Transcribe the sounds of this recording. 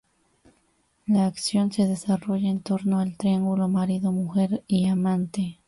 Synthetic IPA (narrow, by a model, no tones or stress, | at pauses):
laːksjo̞nse̞ð̞e̞saro̞ʝaent̪o̞ɾnoalt̪ɾiaŋɡulomaɾiðomuxeɾiamãnt̪e